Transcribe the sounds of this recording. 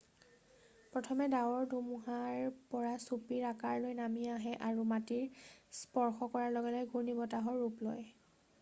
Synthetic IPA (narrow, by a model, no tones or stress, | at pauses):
pɹɔtʰɔmɛdawɔɹdumuɦaɹpɔɹasupiɹakaɹlojnamiaɦɛʔaɹumatiɹspɔɹxɔkɔɹaɹlɔɡɛlɔjɡʱunibɔtaɦɔɹːuplɔj